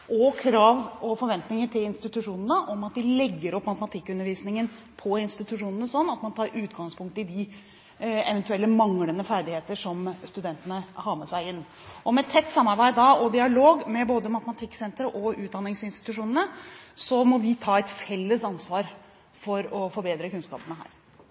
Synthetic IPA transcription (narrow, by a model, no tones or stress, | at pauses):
ʔɔkʰɾɑːʋɔfɔɾʋɛnt̪nɪŋəʈʰɪlɪnst̪ɪt̪ʉʂuːnənəʔɔmɑt̪̚d̪ɪlɛɡːəɾɔpːmɑt̪əmɑt̪ʰɪkːʉnːəɾʋiːsnɪŋən | pʰɔɪnst̪ɪt̪ʉʂuːnənəsɔnːɑt̪mɑnt̪ʰɑːɾʉːt̪ɡɑŋspʰʊŋk̚t̪əɪd̪ɪ | ɛ̰ʋɛnt̪ʉɛlːəmɑŋlənəfæɾɖ̪ɪheːt̪əʂɔmst̪ʉd̪ɛnt̪ənəhɑːɾmɛsæɪɪnː | ʔɔmɛt̪ʰːɛt̪ːsɑmːɑɾbæɪd̪d̪ɑɔd̪ɪɑloːɡmɛboːd̪əmɑt̪əmɑt̪ʰɪkːsɛnt̪ɾəʔɔʉːt̪̚d̪ɑnːɪŋsɪnst̪ɪ̥t̪ʉʂuːnənəsɔmɔʋɪt̪ʰɑːɛt̪fɛlːəsɑnsʋɑːɾ | fɔɾɔfɔɾbeːd̪ɾəkʉnskɑ̰ːpənəɦæ̰ːɾ